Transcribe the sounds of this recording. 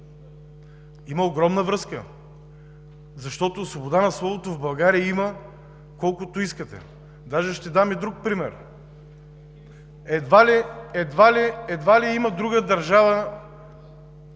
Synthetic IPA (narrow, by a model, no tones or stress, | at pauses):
iməoɡɾɔmnəvɾɤskə̰ | zɐʃt̪ɔt̪osvobod̪anɐslˠɔvot̪ovbɐlˠɡaɾiəimə | kɔlˠkʊt̪oiskət̪ɛ̰ | d̪aʒɛʃt̪ɛd̪amid̪ɾuk̚pɾimɛɾ | ɛd̪valiɛd̪valiɛd̪valiiməd̪ɾuɡəd̪ɐɾʒavə